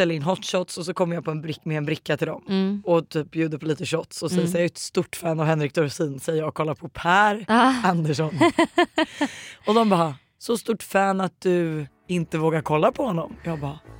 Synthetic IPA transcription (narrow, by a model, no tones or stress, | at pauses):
ɛlːɾɪnɦɔt̪ːʂɔt̪sɔs̬ɔkʰɔmːəɾjaːpʰɔɛnbɾɪmɛɛnbɾɪkːat̪ʰɪld̪ɔmɔt̪ʰyːp̚bjʉ̟ːd̪əpʰɔliːt̪əɕɔt̪ːsɔsɛjːəsaɛt̪st̪ʊʈːfæːnavhɛnɾɪk̚t̪ʰɔɾsiːnsɛjːəɾjɑːkʰɔlːaɾpʰɔpʰæːɾand̪əʂɔn | ɔd̪ɔmbɑː | sɔst̪ʊʈːfæːnat̪̚d̪ɵ | ɪnt̪əvoːɡaɾkʰɔlːapʰɔhɔnːɔmjɑːɡbɑː